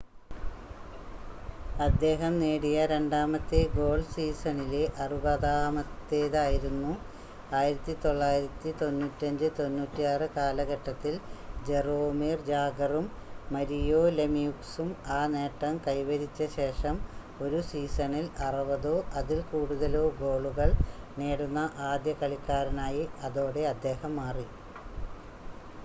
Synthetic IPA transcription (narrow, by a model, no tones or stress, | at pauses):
ɐd̪ːe̞ːɦɐmneːɽijɐɾe̞ɳɖaːmɐt̪ːeɡo̞ːɭsiːsɐnileʔɐrubɐðaːmɐt̪ːeːðaːjiɾunːu | aːjiɾɐt̪ːit̪o̞ɭːaːjiɾɐt̪ːit̪o̞nːuːtːɐɲd͡ʑɨt̪o̞nːuːtːijaːrɨkaːlɐɣɐʈːɐt̪ːild͡ʑeroːmiːrd͡ʑaːɡɐrumː | ɐɾijo̞ːlemijuksumaːne̞ːʈːɐmkɐjʋɐɾit͡ɕːɐɕe̞ːʂɐm | o̞ɾusiːsɐnilɐruʋɐðoːʔɐðilkuːɽuðɐlo̞ːɡo̞ːɭuɣɐɭ | neːɽunːɐʔaːd̪jɐkɐɭikːaːɾɐnaːjiɐðo̞ːɽe̞ɐd̪ːe̞ːhɐmːaːri